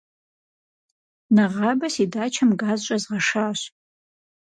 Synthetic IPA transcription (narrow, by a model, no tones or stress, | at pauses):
naʁɑːbɐsidaːt͡ʃʰɐmɡaːzɕʷʼɐzʁɐʂaːɕ